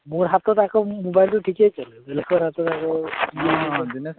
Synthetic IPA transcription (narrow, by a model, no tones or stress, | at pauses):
moɹɦat̪ɔt̪akɔmobajltuʈʰiket͡ʃʰɔlbelekʰbɔɾɦat̪ɔt̪akɔienɔ